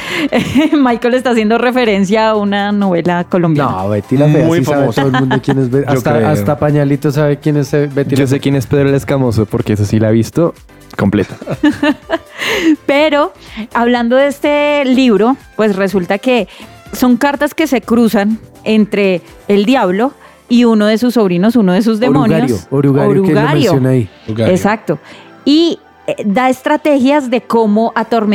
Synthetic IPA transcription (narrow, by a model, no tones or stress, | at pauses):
majkolest̪aːs̬je̞nd̪ore̞fe̞ɾe̞ns̬jaːunano̞βe̞lako̞lombjaaβet̪ilaeujsfaaeosoolmunokjenezbeaot̪aeast̪apaɲalit̪os̬aβekjenesːebet̪id͡ʒos̬ekjenespeðɾoeleskamosopoɾkees̬osilaβist̪o | ko̞mplet̪ḁ | pe̞ɾo̞aβland̪o̞ðeest̪e̞liβɾo̞pwe̞sre̞sult̪ake̞ | so̞ŋkaɾt̪aske̞se̞kɾusan | ent̪ɾe̞ː | ld̪jaβlo̞ | iuno̞ðe̞s̬usːo̞β̞ɾino̞sunoðes̬uzd̪emõnosoɾuɣaoɾueɣaɾjosjonaiɣaesak̚t̪o̞ | i | d̪ae̞st̪ɾat̪e̞xjazd̪e̞ko̞mo̞ʔat̪o̞ɾme